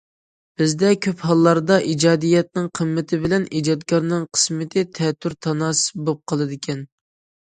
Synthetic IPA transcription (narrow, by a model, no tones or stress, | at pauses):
b̥ɪzd̪ɛkʲʰøphɑlˠːɑɾd̪ɑʔid͡ʒɑːd̪ijɛt̪̚nɪŋqʰəmːɪt̪ʰɪbɪlɛnid͡ʒɑt̪̚kɑɾnɨŋqʰə̥smɪt̪ʰɪt̪ʰɛt̪ʰːyɾt̪ʰɑnɑːsɨ̥bop̚qʰɑlˠɨd̪ɪkʲʰɛn